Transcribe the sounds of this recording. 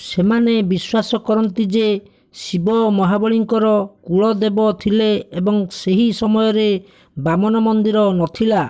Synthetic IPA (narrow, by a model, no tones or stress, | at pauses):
semanebiswasɔkɔɾɔnt̪id͡ʒe | sibɔmɔɦabɔɭiŋkɔɾɔkuɭɔd̪ebɔt̪ʰileːbɔŋseɦisɔmɔjɔɾe | bamɔnɔmɔnd̪iɾɔnɔt̪ʰila